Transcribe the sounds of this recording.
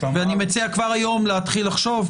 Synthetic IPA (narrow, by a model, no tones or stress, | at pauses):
veanimet͡siakvaʁajo̞mleat̪χilːaχʃo̞v